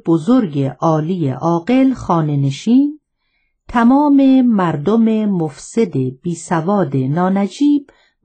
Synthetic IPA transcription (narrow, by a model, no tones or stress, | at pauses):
b̥ozoɾɡeʔɒːlijḛʔɒːɡe̞lxɒːne̞ne̞ʃiːn | t̪ʰæmɒːme̞mæɾd̪ome̞mofsed̪e̞b̥iːsævɒːd̪e̞nɒːnæd͡ʒiːb̥̚